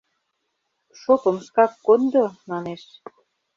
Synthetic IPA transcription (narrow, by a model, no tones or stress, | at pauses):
ʃopə̆mʃkɑkːond̪onɑneʃ